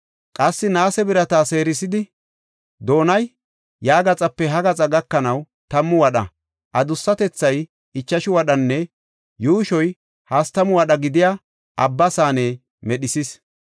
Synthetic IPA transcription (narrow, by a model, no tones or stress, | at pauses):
kʼɐsːɪnaːsɛbɪɾɐt̪aːse̞ːɾɪsɪd̪ɪ | d̪o̞ːnɐj | jaːɡɐt͡sʼɐpːɛɦɐɡɐt͡sʼɐɡɐkːɐnɐw | t̪ɐmːʊwɐɗɐ̰ | ʔɐd̪ʊsːɐt̪ɛt͡sːɐj | ɪt͡ʃːɐʃʊwɐɗɐnːɛ | juːʃɔj | hast̪ɐmʊwɐɗɐɡɪd̪ɪja | ʔɐbːɐsaːneː | mɛɗɪsis